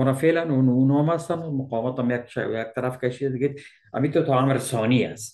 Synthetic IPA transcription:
ɔnafelanununɔmast̪anmaqɔːmɔt̪amjakʃa̰jak̚t̪aɾafkaʃid̪ad̪ɪɡed̪̚ | a̰mit̪ot̪ʰɔamɾsɔnia̰st̪

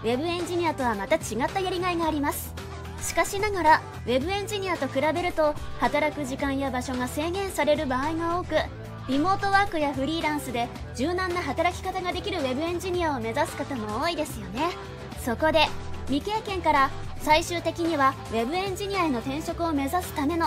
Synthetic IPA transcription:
βe̞bɯ̟ẽ̞ɲ̟d͡ʑiɲ̟ʲiat̪o̞βamat̪at͡ɕiɡat̪ːajaɾʲiɡaiɡaːɾʲimasɨ̥ | ɕi̥kaɕinaɡaɾa | βe̞bɯ̟ẽ̞ɲ̟d͡ʑiɲ̟ʲiat̪o̞kɯ̟ɾabe̞ɾɯ̟t̪o̞hat̪aɾakɯ̟ʑikãɰ̃jabaɕo̞ɡase̞ːɡẽ̞ɰ̃saɾe̞ɾɯ̟baːiɡao̞ːkɯ̟ | ɾʲimo̞ːt̪o̞βaːkɯ̟jaɸɯ̟ɾʲiːɾãɰ̃sɨd̪e̞ | ʑ̥ɨːnãnːaɦat̪aɾakʲi̥kat̪aɡad̪e̞kʲiɾɯ̟βe̞bɯ̟ẽ̞ɲ̟d͡ʑiɲ̟ʲiao̞me̞zasɨ̥kat̪amo̞oːid̪e̞sɨjo̞ne̞ | so̞ko̞d̪e̞mʲike̞ːkẽ̞ŋkaɾa | saiɕɨːt̪e̞kʲiɲ̟iβa | βe̞bɯ̟ẽ̞ɲ̟d͡ʑiɲ̟ʲiae̞no̞t̪ẽ̞ɰ̃ɕo̞kɯ̟o̞me̞zasɨ̥t̪ame̞no

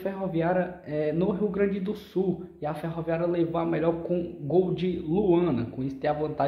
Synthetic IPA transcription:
feɦoviaɾɐɛnʊɦiwɡɾɐ̃d͡ʒɪd̪ʊsuiafeɦoviaɾɐlevoamɛʎɔɾkõɡowd͡ʒɪluɐ̃nɐkõisʊ̥t̪ẽavɐ̃nt̪a

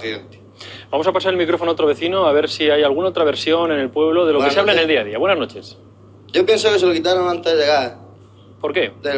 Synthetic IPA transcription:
ḭ | bamo̞sapasaɾelmikɾo̞fonoot̪ɾoe̞θino̞aβ̞e̞ɾsiajalɣunaot̪ɾaβ̞e̞ɾsjo̞ne̞nelpwe̞βlo̞ðe̞lokeseaβlaeneld̪iaðiaβwe̞naznot͡ʃe̞s | ʝopjensokeselokit̪aɾoŋãnt̪ezðeɣa | po̞ɾke̞d̪e

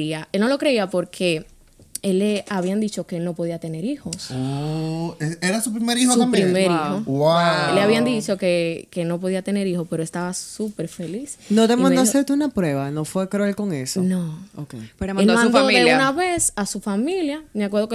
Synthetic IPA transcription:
iaʔelno̞lo̞kɾe̞iapo̞ɾkʰe̞ | eleaβiand̪it͡ʃo̞keelno̞po̞ðiat̪e̞ne̞ɾiho̞so | eeɾasup̬ɾimeɾihotsampɾimeɾihowaelːeaβiand̪it͡ʃo̞kekelno̞p̬o̞ðiat̪e̞ne̞ɾihope̞ɾoest̪aβasupe̞ɾfe̞lisnot̪emanoaseɾt̪uunapɾweβanofwekɾuelko̞ŋesonookeelmãnd̪oðeunaβesasufamiljameakwe̞ɾðok

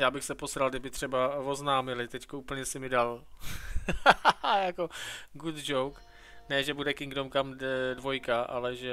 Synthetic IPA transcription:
jaːbɪxsɛposɾalɡdɪbɪt̪r̥ɛbavoznaːmɪlɪt̪ɛckouːpl̩ɲɛsɪmɪdal | jakoɡut̪d͡ʒowk | nɛʒɛbudɛkɪŋɡdomkamdvo̞jkaʔa̰lɛʒɛ

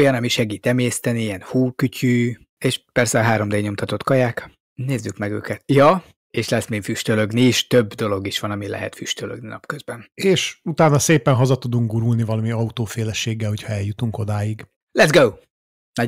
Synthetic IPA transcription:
jɒnɒmiʃɛɡiːt̪ɛmeːst̪ɛniɛnhuːkycʰy | eːʃpɛrsɛɒɦaːɾo̞md̪eːɲo̞mt̪ɒt̪o̞t̪kɒjaːk | neːzːykmɛɡø̰ːkɛt̪jɒ | eːʃlɛsminfyʃt̪øløɡniːʃt̪øbːd̪o̞lo̞ɡiʃʋɒnɒmilɛ̰ɦɛ̰t̪fyʃt̪ølø̰ɡninɒ̰pkøzbɛneːʃut̪aːnɒseːpɛnɦɒzɒt̪ud̪uŋɡ̚ɡuɾulnivɒlɒmiɒut̪oːfeːlɛʃeːɡːɛlho̞cʰhɒɛljut̪uŋko̞d̪aːjiɡ | lɛt̪sɡow | nɒ

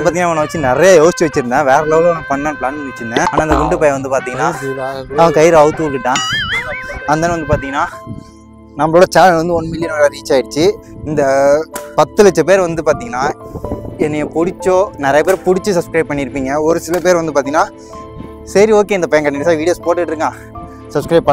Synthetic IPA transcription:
paːɾt̪iŋnaːɐnːɐʋɐt͡ʃːɯnɪɾɐjajoːst͡ʃːɯʋɐt͡ʃːɪɾɯnd̪ãːʋeːɾɐloːɣɐ̃pɐɳːɐ̃klaːnʋɐt͡ʃːɯɾɯnd̪ẽːaːnaːɪnd̪ɐɡʊɳɖɯpɐjɐ̃ʋɐnd̪ɯpaːɾt̪iːŋɡɐnːaːɐɐ̃kɐjɾɐʋɯt̪ːɯulːɪʈːãː | ɐnd̪ɐːnɯʋɐnd̪ɯpaːɾt̪iːŋɡɐnːaː | nɐmːɐɭoːɽɐt͡ʃaːllʋɐnd̪ɯɔnːɯmɪlɪjɐnːɽaːɾiːt͡ʃːaːɪɽɯt͡ʃːɯ | ɪnd̪ɐpɐt̪ːɯlɐt͡ʃːɐp̬eːɾʋɐnd̪ɯpaːɾt̪iːŋɡɐnːaː | ɛnːɛjɐpʊɽɪt͡ʃːõːnɛɾɐjɐpeːɾpʊɽɪt͡ʃːɯsɐpskɾɐɪb̚pɐɳːɪɾɯpːiːŋɡɐɔɾɯsɪlɐpeːɾʋɐnd̪ɯpaːt̪iŋɐnaː | sɐɾioːkeːɪnd̪ɐpɐjɐ̃ŋkɐɳːnːɪʈːs̬aːɾʋiːɽijoːspoːʈːɯkɪʈːɾɯkŋɡãː | sɐpskɾɐɪb̚pːɐ

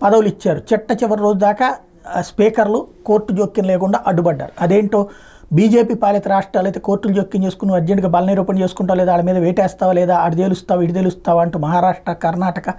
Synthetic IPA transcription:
pɐd̪ɐwulit͡ʃːaːɾut͡ʃiʈːɐt͡ʃiʋɐɾiɾo̞ːd͡ʒud̪aːka | spiːkɐɾluko̞ːɾʈːud͡ʒoːkːinɐlɛːkuɳɖaːʔɐɖubɐɖːa̰ːɾuɐd̪e̞ːɳʈo̞ː | biːd͡ʒe̞ːpiːpaːlɐt̪ɐɾaːʂʈɾaːlɐjt̪eːko̞ːɾʈːulud͡ʒoːkːiɲt͡ʃeːsu̥kunuɐɾd͡ʒeɳɖiɡɐːbɐlɐniːɾuːpɐnt͡ʃe̞ːsu̥kuɳʈaːʋlɛːd̪aːlɐmiːd̪ɐʋeːʈɛːst̪aːʋɐlɛːd̪aːɐʈid̪eːlust̪aːʋiʈid̪elust̪aːʋɐɳʈumɐɦaːɾaːʂʈɾɐkɐɾnaːʈɐkɐ

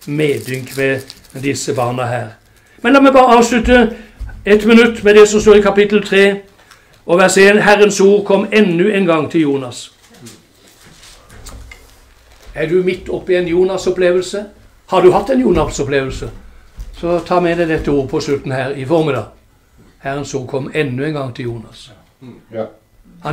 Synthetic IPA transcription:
meːd̪ʏŋkmɛ | d̪ɪsːəbɑːʁnəɦæːʁ | mɛnlɑːmɛɪbɑːʁəɑːʋʂlʉt̪ə | ɛt̪mənʉt̪ːmɛd̪ɛsɔmst̪oːʁɪkʰɑpɪt̪əl̩t̪ʰʁeː | ʔɔʋæʁseːnhæʁənsuːʁkʰɔmːɛnːʉɛnɡɑŋt̪ʰɪljuːnɑs | æd̪ʉmɪt̪ʰːɔpːɪɛnjuːnɑsɔpleːʋəlsə | hɑd̪ʉhɑt̪ːɛnjuːnɑsɔpleːʋəlsəsɔt̪ʰɑːmɛd̪æɪd̪ɛt̪ːəuːʁəpʰɔslʉt̪n̩hæːʁɪfɔʁmɪd̪ɑ̰ː | hæʁənsuːʁkʰɔmːɛnːʉɛnɡɑŋːt̪ʰɪljuːnɑs | hɑ

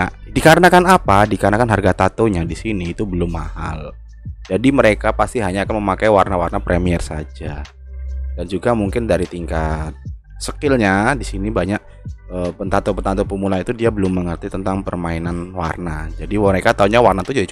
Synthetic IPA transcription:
a | dikaɾənakanapadikaɾənakanɦarɡat̪at̪oɲadisiniːt̪ubəlʊmːaha̰l | d͡ʒadiməɾekapast̪iɦaɲaːkanməmakajwarnawarnapɾʔemiərsa̰d͡ʒa | dand͡ʒuɡamuŋkɪndaɾit̪iŋkat̪̚ | səkɪlɲadisinibaɲak̚ | əpənt̪at̪opənt̪ant̪opəmulait̪udiabəlʊmːəŋərt̪it̪ənt̪aŋpərmainanwa̰rnad͡ʒadiəɾekat̪auɲawarnat̪ud͡ʒadit͡ʃ

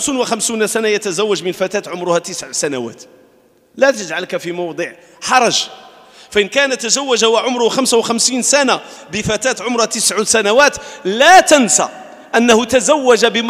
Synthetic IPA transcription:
suːnwəxamsunsænajət̪æzæwːæd͡ʒmənfæt̪æːt̪ʕʊmɾʊhæt̪əsʕsænawæ̰ːt̪ | læt̪əʒʕalkafimɑwd̪ˤəʕ | ħɑɾˤɑʒ | fæʔənkænæt̪ːəzæwːæʒawaʕʊmɾʊxæmsawxæmsiːnsænabəfæt̪æːt̪ʕʊmɾhæt̪əsʕusænawæt̪læt̪ənsa̰ | ʔənːahʊt̪æzæwːæʒabə

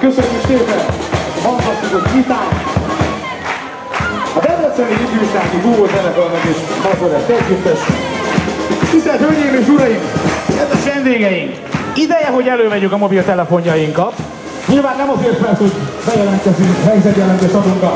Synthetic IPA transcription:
køsønːykseːpɛnɒnt̪ɒsuzok̪vit̪aː | ɒd̪ɛd̪ɛt̪sɛniip̪iikaːt̪iɡuɡot̪ɛɾɛɡɒlmɛɡit̪bɒzoɾɛlt̪ɛzjyktɛsy̰ | k̪ist̪ɛlt̪hølɲejimeːʃuɾɒjimɛzɛkvɛnd̪eːɡɛjiŋk | id̪ɛjɛɦo̞ɟɛløːvɛɟyŋkɒmo̞bilt̪ɛlɛfo̞ɲjɒjiŋkɒt̪ | ɲiːlvaːnːɛmɒzeːrt̪pɛrsho̞ɟbɛjɛlɛnt̪kɛzyŋkɦɛjzɛt̪jɛlɛnt̪eːʃɒb̪uŋkɒt̪

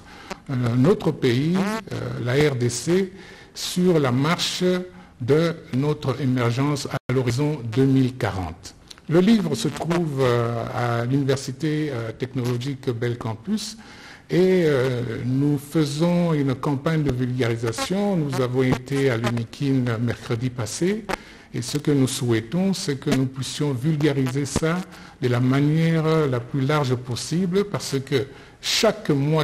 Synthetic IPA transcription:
not̪χəpeḭlaɛʁd̪ese | syʁlamaʁʃ | d̪ənɔt̪χemɛʁʒɑ̃salɔʁizɔ̃d̪ømilkaʁɑ̰̃t̪ | ləlivʁəsət̪χuva̰lynivɛʁsit̪et̪ɛknɔlɔʒikbɛlkɑ̃pys | eønufəzɔ̃ynkɑ̃paɲd̪əvylɡaʁizasjɔ̃nuzavɔ̃et̪ealynikʲʰinmɛʁkχəd̪ipase | esəkənusuwɛt̪ɔ̃sɛkənupɥisjɔ̃vylɡaʁizesa | d̪əlamanjɛʁlaplylaʁʒəpɔsibləpaʁsəkə | ʃakmwa

